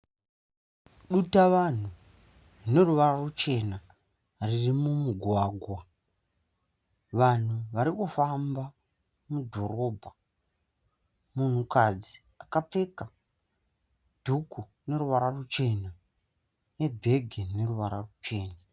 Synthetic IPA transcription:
ɗutaʋan̤u | ne̞ruʋararut͡ʃe̞na | ririmumuɡʱwaːɡʱwa | ʋan̤uʋaɾikufamba | mudʱo̞ro̞bʱa | mun̤ukad͡zi | akap͡fe̞ka | d̥ʱukʰu | ne̞ɾuʋaɾarut͡ʃe̞na | ne̞bʱe̞ɡʱene̞ruʋaɾarut͡ʃe̞ːna

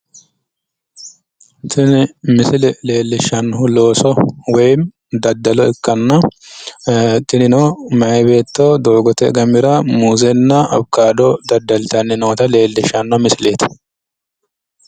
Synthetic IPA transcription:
t̪ʰɪnɪmɪsɪlɛle̞ːlːɪʃɐnːɦʊlo̞ːsɔwɐjm | d̪ɐd̪ːɐlɔɛkːɐnːɐ | t̪ɪnɪnomɐʔɐbe̞ːt̪ːoːd̪oːɡɔt̪ɛɡɐmɪɾɐmuːzɛnːɐɐ̰bkaːd̪ɔd̪ɐd̪ːɐlt̪ɐnːɪnoːt̪ɐle̞ːlːɪʃɐnːɔmɪsɪleːt̪ɪ̥

